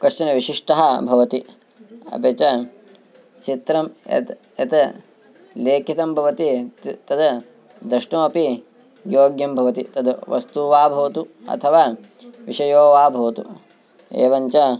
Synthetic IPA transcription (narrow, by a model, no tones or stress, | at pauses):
kɐʃt̪ɐnɐʋiʃiʂʈɐɦɐbʱɐʋɐt̪i | ɐ̰bɐt͡ʃɐ | t͡ʃit̪ɾɐmḛt̪ | ɐ̰t̪ɐ | leːkʰit̪ɐmbʱɐʋɐt̪it̪ɐd̪ɐ | d̪ɾɐʂʈɐːɐpi | joːɡjɐmbʱɐʋɐt̪it̪ɐd̪ʋɐ̰st̪uʋaːbʱɐʋɐt̪uɐ̰t̪ʰɐʋaː | ʋiʃɐjoːʋaːbʱɐʋɐt̪ṵ | ḛːʋɐɲt͡ʃɐ